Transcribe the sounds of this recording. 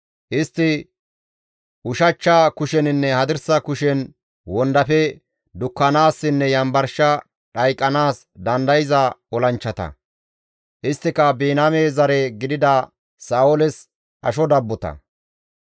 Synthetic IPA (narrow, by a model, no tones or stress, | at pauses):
ʔɪst̪ːɪ | ʔʊʃɐt͡ʃːɐkʊʃɛnɪnːɛhɐd̪ɪɾsɐkʊʃɛn | wɔnd̪ɐfɛ | d̪ʊkːɐnaːsːɪnːɛjɐmbɐɾʃɐ | ᶑɐjkʼːɐnaːs | d̪ɐnd̪ɐjɪzɐɔlɐnt͡ʃːɐt̪ɐ̰ | ʔɪst̪ːɪkɐbeːnameːzɐɾɛɡɪd̪ɪd̪ɐ | saːɔlɛs | ʔɐ̰ʃɔd̪ɐbːɔt̪ɐ̰